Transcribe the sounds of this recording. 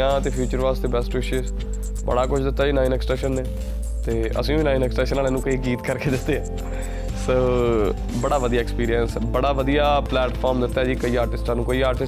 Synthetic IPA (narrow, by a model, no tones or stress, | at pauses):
ãːt̪eːpʰjuːt͡ʃəɾʋaːst̪eːbɛsʈʋɪʃes | bə̰ɽaːkʊt͡ʃʰd̪ɪt̪ːaːd͡ʒiːnaːɪnɛksʈɛːʃənːeː | t̪eːə̰sĩːbiːnaːɪnɛksʈɛ̃ːʃənaːleːnũːkəiːɡiːt̪kəɾkeːd̪ɪt̪ːeːɛː | soː | bəɽaːʋəd̪ijaːɪkspiːɾijənsbəɽaːʋəd̪ijaːplɛːʈpʰɔːɾmd̪ɪt̪ːaːd͡ʒiːkəiːaːɾʈɪsʈãːnũːkoiːaːɾʈɪs